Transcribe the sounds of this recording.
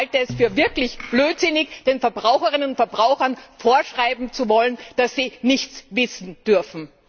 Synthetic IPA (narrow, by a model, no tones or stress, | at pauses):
haltəɛsfyːɐvɪɐklɪçb̥løːtz̥ɪnɪçd̥eːnfɛɐbʁaʊxəʁɪnənʊntfɛɐbʁaʊxɐnfoːɐʃʁ̥aɪbm̩t͡suvɔlənd̥asz̥iːnɪçt͡svɪsn̩d̥ʏɐfn̩